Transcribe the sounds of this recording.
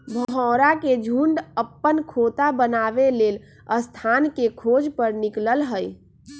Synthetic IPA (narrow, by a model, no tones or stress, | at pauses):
bʱɦɔ̃ɾaked͡ʒʱuɳɖəpːənkʰot̪abənabelel | əst̪ʰankekʰod͡ʒpəɾnikləlɦəj